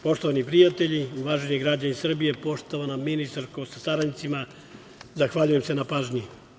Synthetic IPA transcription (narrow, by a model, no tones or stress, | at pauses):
po̞ʃt̪o̞ʋanipɾijat̪e̞ʎiuʋaːʒeɲiɡɾad͡ʑanisr̩bije̞po̞ʃt̪oʋanamːinist̪aɾkosasaɾanit̪sima | zaxʋaʎuje̞mse̞napaːʒɲi